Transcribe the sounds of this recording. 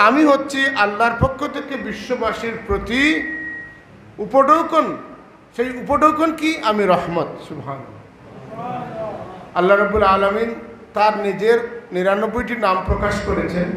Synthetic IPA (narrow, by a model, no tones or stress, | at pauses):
amiɦotːɕʰiʔalːaɾpokʰːot̪ʰekebiʃːobaʃiɾpɾot̪i | upoɖowkon | ʃejupoɖowkonkiʔamiɾɔhmat̪subɦaːnɐlːa | alːaɾɐbːulaːlamint̪aɾnid͡ʑeɾniɾanobːojʈinampɾokaʃkoɾet͡ɕʰen